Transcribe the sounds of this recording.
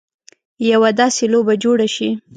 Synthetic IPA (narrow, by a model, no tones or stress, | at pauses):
jawad̪ɑselobad͡ʒoɽaʃi